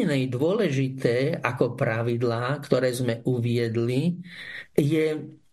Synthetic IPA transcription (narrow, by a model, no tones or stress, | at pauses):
nɛjd̪ʊɔlɛʒit̪ɛːʔakɔpɾaʋid̪laːkt̪ɔɾɛːzmɛʔuʋɪɛd̪li | jɛ